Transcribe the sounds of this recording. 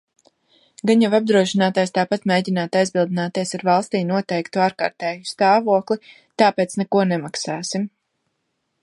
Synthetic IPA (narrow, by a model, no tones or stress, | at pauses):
ɡanjavab̚d̪ɾuɔʃinaːt̪aːjst̪aːpat̪meːɟinaːt̪ajzbilˠd̪inaːt̪iɛsaɾvalˠst̪iːnuɔt̪ɛjkt̪uaːɾka̰ːɾt̪ɛːjust̪aːvuɔklˠi | t̪aːpeːt̪snɛkuɔnɛmaksaːsim